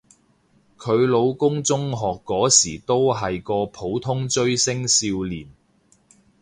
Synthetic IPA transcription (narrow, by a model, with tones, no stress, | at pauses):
kʰɵ˨˧ɥlo˨˧wkʊ˥ŋt͡sʊ˥ŋɦɔː˨kːɔː˨˥siː˨˩t̪o˥wɦɐ˨jkɔː˧pʰo˨˥wt̪ʰʊ˥ŋt͡ʃɵ˥ɥsɪ˥ŋsiː˧wliː˨˩n